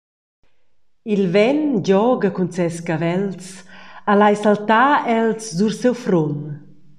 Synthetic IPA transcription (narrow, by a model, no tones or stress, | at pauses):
ilvɛnɟɔɡəkunt͡sɛskavɛlt͡salajsalt̪aɛlsduɾsɛwfɾon